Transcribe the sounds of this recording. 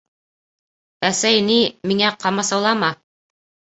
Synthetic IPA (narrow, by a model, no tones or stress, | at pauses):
æsæjnimiŋæqɑmɑsɑwlˠɑmɑ